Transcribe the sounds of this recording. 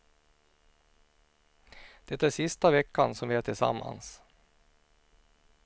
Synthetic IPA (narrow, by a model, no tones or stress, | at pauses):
d̪̥ɛt̪ːæːʂɪst̪avɛkːansɔmvɪaːʈʰɪlsa̰mːa̰ns